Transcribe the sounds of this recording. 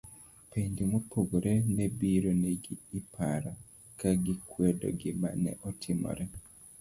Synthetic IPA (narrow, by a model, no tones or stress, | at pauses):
pendimupʰoɡoɾʔenebiɾoneɡiːpʰaɾa | kaɡikwedo̰ɡimba̰nɛ̰ʔotʰimɔ̰ɾʔe